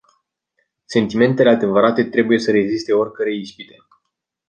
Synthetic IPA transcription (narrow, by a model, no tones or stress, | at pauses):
se̞nt̪ime̞nt̪e̞lead̪e̞vəɾat̪e̞t̪ɾe̞buje̞səɾe̞zist̪e̞o̞rʲkəɾe̞ispit̪e